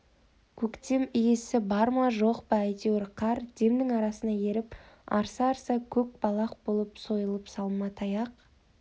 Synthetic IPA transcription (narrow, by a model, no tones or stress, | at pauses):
kʲʰɵkt̪e̞mijesɪbɑɾmɑʒo̞qbɑæjt̪ewɾqʰɑɾd̪̥e̞md̪ɪŋɑɾɑsənɑje̞ɾɪp | ɑ̰ɾsɑɾsɑkʲʰɵk̚bɑlˠɑq̚bo̞lˠəpso̞jəlˠəpsɑlˠmɑt̪ʰɑjɑq